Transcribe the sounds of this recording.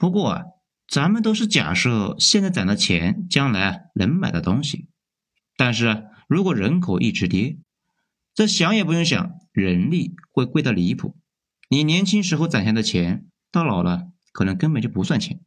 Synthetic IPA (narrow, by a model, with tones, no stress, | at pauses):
pu˧˥kwɔ˥˩ɐ̰˨˩ | t͡sa˧˥nmə˨nt̪̬o˥ʊʂɻ̩˥˩t͡ɕja̰˨˩ʂɤ˥˩ɕjɛ˥˧nt͡sa˥˩ɪt͡sa˨˩nd̪ə˧t͡ɕʰjɛ̰˧˥nt͡ɕjɑ˥ŋla˧˥ɪɐ˧lə˧˥nma˨˩ɪd̪ə˧˦t̪ʊ˥ŋɕi˨ | t̪a˥˧nʂɻ̩˥˩ɐ˩ | ɻu˧˥kwɔ˨˩ɻə˧˥nkʰo˨˩ʊʔi˥˩ʈ͡ʂɻ̩˧˥t̪jɛ˥ | ʈ͡ʂɤ˥˩ɕjɑ˧˥ŋjɛ˨˩pu˧˥jʊ˥˩ŋɕ̬jɑ̰˨˩ŋɻə˧˥nli˥˩xwe˥˧ɪkwe˥˧ɪɑ˥˩li˧˥pʰṵ˨˩˦ | ni˨˩njɛ˧˥nt͡ɕʰi˥ŋʂ̬ɻ̩˧˥xo˧ʊt͡sa˨˩nɕʰjnd̪ə˧t͡ɕʰjɛ˧˥n | t̪ɑ˥˩lɑ˨˩ʊlʔə˦kʰɤ˨˩nɤ˧˥ŋkə˥npə˨˩nt͡ɕjo˥˩ʊpu˧˥swa˥˩nt͡ɕʰjɛ̰˧˥n